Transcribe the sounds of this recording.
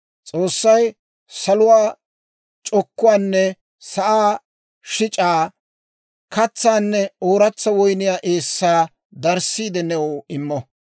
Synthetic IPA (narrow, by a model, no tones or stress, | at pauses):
t͡sʼo̞ːsːɐj | sɐlʊwaː | t͡ʃʼɔkːʊwaːnːɛ | sɐʔaː | ʃɪt͡ʃʼaː | kɐt͡sːaːnːɛoːɾɐt͡sːɐwɔjnɪjaːʔe̞ːsːaː | d̪ɐɾsːiːd̪ɛnɛwʊɪmːɔ